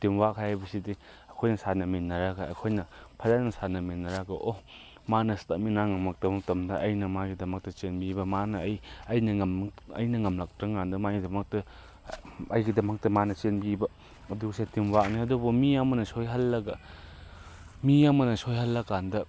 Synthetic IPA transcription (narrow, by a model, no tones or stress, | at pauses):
timwak̚kʰajajbɐsidi | ɐkʰojnɐsanɐminːɐɾaɡɐɐ̰kʰojnɐpʰazanɐsanɐminːɐɾaɡɐʔo | manɐstɐminaŋɐmɐk̚dɐmɐk̚tɐmdɐʔɐjnɐmaɡidɐmɐk̚tɐt͡ʃenbibɐmanɐːjɐjnɐŋɐmɐ̰jnɐŋɐmlak̚dɾɐŋandɐmaɡidɐmɐk̚tɐ | ɐjɡidɐmɐk̚tɐmanɐt͡ʃenbibɐ | ɐduɡsetimwak̚niɐdubɔmiɐmɐnɐsojɦɐlːɐɡɐ | miamɐnɐsojɦɐlːɐkandɐ